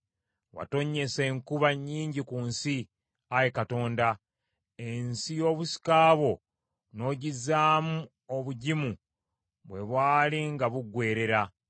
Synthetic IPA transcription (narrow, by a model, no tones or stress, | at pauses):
wa̰to̞ɲːe̞se̞ŋkuβaɲːiːɲɟikunsi | ajekato̞ːnda | e̞nsijo̞ːβusi̥kaːβo̞ | no̞ːɟizaːmu | oβuɟimu | βwe̞βwaːliŋɡaβuɡwe̞ːɾe̞ɾa